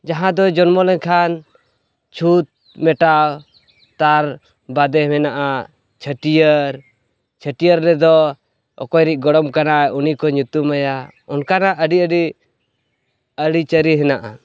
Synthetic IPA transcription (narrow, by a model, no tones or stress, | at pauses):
d͡ʒaɦãd̪ɔd͡ʒɔnmɔlɔɲkʰan | t͡ʃʰut̪̚ | mɛʈaw | t̪aɾ | bad̪ɛmɛnaʔa | t͡ʃʰəʈijəɾ | t͡ʃʰəʈijəɾːɛd̪ɔ | ɔ̰kɔjɾiʔ̚ˀɡɔɽɔmkanaunikɔɲut̪umaja | ɔnkanaʔəɖiəɖi | əɽit͡ʃəɾiɦɛnaʔa̰